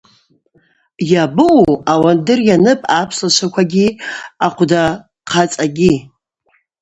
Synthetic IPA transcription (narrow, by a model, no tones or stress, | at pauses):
jabɨuawandɨrjanɨpʼapʰslaʃʷʰakʷʰaɡʲiaqʷʰda | qʰat͡sʼaɡʲi